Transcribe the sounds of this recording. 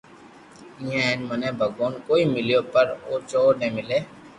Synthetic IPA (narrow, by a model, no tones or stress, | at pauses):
ijẽnmənẽːbʱəɡoːnkoːimɪlijoːpəɾoːt͡ʃoːnẽːmɪleː